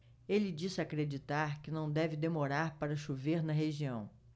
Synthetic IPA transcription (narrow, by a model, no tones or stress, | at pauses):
elɪd͡ʒisɪakɾed͡ʒit̪aɾkɪnɐ̃w̃d̪ɛvɪd̪emoɾaɾpaɾɐʃuveɾnɐɦeʒiɐ̃w̃